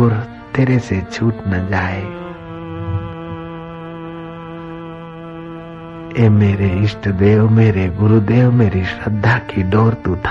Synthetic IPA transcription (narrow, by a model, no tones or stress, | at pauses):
ʊɾ | t̪eːɾeset͡ʃʰuːʈnad͡ʒaːe | emeːɾeɪsʈd̪eːwmeːɾeɡʊɾud̪eːwmeːɾisɾəd̪ʱːakʰiɖɔːɾt̪ut̪ʰ